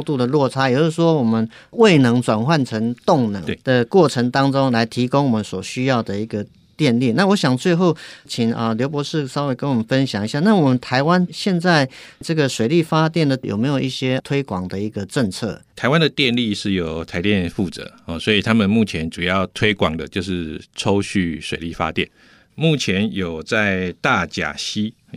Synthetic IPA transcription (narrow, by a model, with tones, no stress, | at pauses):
ʊt̪u˥˩d̪ə˩lwɔ˥˩t͡sʰa˥jɛ˨˩jo˥ʂ̩˥˩ʂwɔ˥wɔ˨˩mə˦n | we˥˩ɪnɤ˧˥ŋt͡swa˨˩nxwa˥˩nʈ͡ʂʰə˧˥ŋt̪ʊ˥˩ŋnɤ̰˧˦d̪̥ə˨kwɔ˥˩ʈ͡ʂʰə˧˥ŋt̪ɑ˥ŋʈ͡ʂo˥ŋla˧˦˥ɪt̪ʰi˧˥kʊ˥ŋwɔ˨mə˦nswɔ˨˩ɕy˥jɑ˥˩ʊd̪ə˩i˧˥ɡə˧ | t̪jɛ˥˧nli˥˨na˥˩wɔ˧˦˥ɕjɑ˨˩ŋt͡swe˥˧ɪxo˥˩ʊt͡ɕʰi˨˩ŋə˨ljo˧˥ʊp̬wɔ˧˥ʂɻ̩˥˩sɑ˥we˧˥ɪkə˥nwɔ˨˩mə˦nfə˦nɕjɑ˨˩ŋi˧˥ɕja˥˧na˥˩˨wɔ˨˩mə˨˦nt̪ʰa˧˥ɪwa˦nɕjɛ˥˧nt͡sa˥˩ɪʈ͡ʂɤ˥˩ɡə˩ʂwe˨˩ɪli˥˩fa˥t̪jɛ˥˩nd̪ə˩jo̰˨˩me˧˥ɪjo˨˩ʔi˥˩ɕjɛ˥t̪ʰwe˥ɪkwɑ˨˩ŋd̪ə˨i˧˥ɡə˧ʈ͡ʂə˥˧ŋt͡sʰɤ̰˥˩t̪ʰa˧˥ɪwa˦nd̪ə˨t̪jɛ˥˧nli˥˧ʂɻ̩˥˩jo˨˩ʊt̪ʰa˧ɪt̪jɛ˥˧nfu˥˨˩t͡sɤ̰˨˧˦ɔ˨swɔ˧˥i˨˩t̪ʰa˥mə˨nmu˥˩t͡ɕʰjɛ˧˦nʈ͡ʂu˨˩jɑ˥˩ʊt̪ʰwe˥ɪkwɑ˨˩ŋd̪ə˦t͡ɕjo˥˧ʊʂɻ̩˥˩ʈ͡ʂʰo˥ʊɕy˥˩ʂwe˨ɪli˥˩fa̰˦t̪jɛ̰˥˨n | mu˥˩t͡ɕʰjɛ˧˦njo˨˩ʊt͡sa˥˧ɪt̪a˥˨t͡ɕja̰˨˩ɕi˥